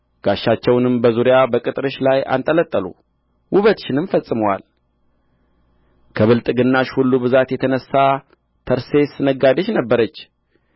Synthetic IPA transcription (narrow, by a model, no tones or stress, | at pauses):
ɡ̥aʃːat͡ʃːɛwnɨmbəzuɾjabəkʼɨt̪ʼɾɨʃlaja̰nt̪ʼələt̪ʼːəlṵ | wʔʊβət̪ʃɪnɨmfəsʼɨməwa̰l | kʰəβɨlt̪ʼɡɨnːaʃhulːubɨzat̪jɛt̪ʰənəsːa | t̪ʰəɾse̞sɨnəɡad̪əʃnəbːəɾət͡ʃː